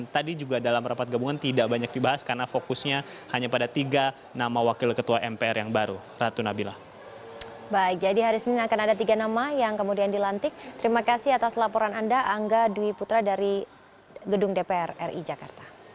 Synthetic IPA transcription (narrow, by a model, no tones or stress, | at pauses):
nt̪adid͡ʒuɡadalamɾampat̪̚ɡabuŋant̪idaʔbaɲak̚dibaɦaskarnafokusɲa | haɲapadat̪iɡa | namawakɪlkət̪uaʔɛmpeɛɾjaŋbaɾu | rat̪unabila̰h | baɪk̚d͡ʒadiɦaɾisənɪnakanadat̪iɡanamajaŋkəmudiandilant̪ɪk̚t̪əɾimakasɪhat̪aslapoɾanandaʔːŋɡaduiput̪ɾadaɾi | ɡədʊŋdepeɛrɛrʔḭd͡ʒakart̪ḁ